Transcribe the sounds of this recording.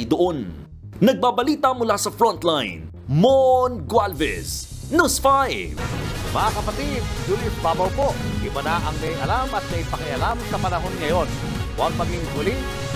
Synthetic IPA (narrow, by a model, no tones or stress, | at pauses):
d̪ʊʔon | nɐɡ̚babɐliːt̪ɐmʊlasɐfɹɔnt̪lajn | monɡwalvɛ̰s | nusfajvmɐŋakɐpɐt̪id̪̚hulʊsbaːbɐwpoʔʔɪbanaʔɐŋmɐjʔɐlamɐt̪̚mɐjpɐkɪʔɐlamsɐpɐnɐɦo̞nŋɐjo̞n | waɡ̚mɐɡiŋɦʊlɪ